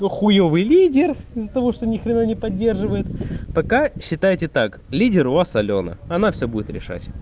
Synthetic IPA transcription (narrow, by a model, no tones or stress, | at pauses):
noxʊjovɨjlʲidʲɪrɪzːət̪ɐvo̞ʂt̪onʲɪxɾʲɪnanʲɪpɐdʲːe̞rʐɨvəjɪt̪pɐkaɕːɪt̪ajɪtʲɪt̪ak | lʲidʲɪɾʊvasɐlʲo̞nə̰ɐnafsʲobudʲɪt̪ɾʲɪ̰ʂa̰tʲ